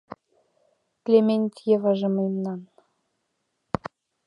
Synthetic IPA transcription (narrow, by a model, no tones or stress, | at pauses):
klʲemʲenʲt̪ʲjevɑʒɤ̆mɤjmnɑn